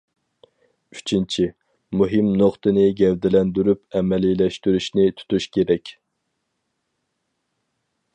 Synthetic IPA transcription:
yt͡ʃʰint͡ʃʰi | muɦɨmnoχt̪ɨnɨɡʲɛvd̪ɪlɛnd̪yɾypɛmɛlilɛʃt̪yɾyʃnɪt̪ʰu̥t̪uʃkʲʰeɾɛkʲ

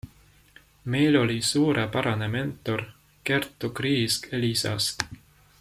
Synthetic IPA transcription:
me̞jlo̞lʲisuːɾepɑɾɑneme̞nt̪ːˑo̞r | ke̞rt̪ːˑukriːskelisɑ̰st̪

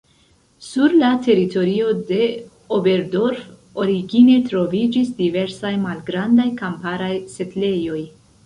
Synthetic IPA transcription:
suɾlatʰe̞ɾito̞ɾio̞de̞ | obe̞ɾdo̞ɾfoɾiɡine̞tɾo̞vid͡ʒisdive̞ɾsajmalɡɾandajkampaɾajse̞tle̞jo̞j

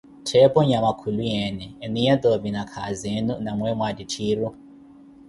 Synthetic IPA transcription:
tʰɛpʼɔɲamakʰulujɛnɛːnijat̪ovinakʰazenunamwɛmwaditʰiːru

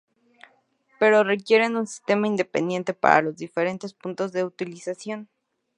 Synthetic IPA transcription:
pe̞ɾo̞re̞kje̞ɾe̞nunsi̥st̪e̞maind̪e̞pe̞̰nd̪je̞nt̪e̞pa̰ɾa̰lo̞zðife̞ɾe̞nt̪espunt̪o̞zðe̞ut̪ilisasjo̞n

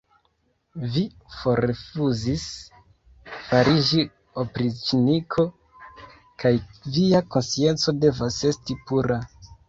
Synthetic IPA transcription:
vi | fo̞ɾefuzis | faɾid͡ʒi | opɾit͡ʃinikʰo̞ | kajviako̞nsie̞nt͡so̞de̞vase̞stipuɾa

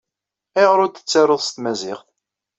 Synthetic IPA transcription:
eʁɾʊɾt̪ːə̥t͡sːaɾoðˤst̪mæzɪχθ

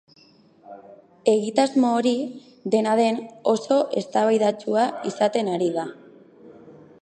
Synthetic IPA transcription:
e̞ɣ̞it̪azmoːɾi | ðe̞naðe̞no̞so̞ʔe̞st̪aβajðat͡suaisat̪e̞naɾiɣa

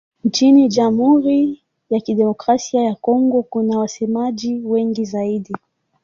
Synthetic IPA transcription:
n̩t͡ʃiniʄamhuɾi | jakiɗɛmɔkɾasiajakɔŋɡɔkunawasɛmaʄiwɛŋɡizaiɗi

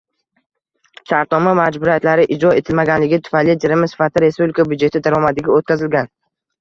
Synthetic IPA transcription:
ʃaɾt̪nɒmamad͡ʒbʊɾijat̪laɾɪʔɪd͡ʒɾɒe̞t̪ʰɪlmaɡʲanlɪɡʲɪt̪ʰʊ̥fajlɪd͡ʒ̪ʰɪɾɪmɪsɪ̥fat̪ʰɪɾe̞spublɪkʰabjd͡ʒe̞t̪ʰɪd̪aɾɒmad̪ɪɡʲɪot̪̚kʲazɪlɡʲan

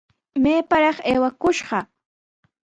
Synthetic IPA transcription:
meːpaɾɑχeːwakʊʃɢɑ

